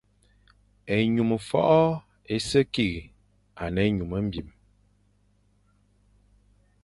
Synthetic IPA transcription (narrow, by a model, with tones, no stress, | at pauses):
e˨ɲu˨mə˨fɔ̰˦ʔɔ˦ | e˦sə˦ki˦˨ɣi˨ | a˨nə˨˦ɲu˨mə˦m̩˦bi˨m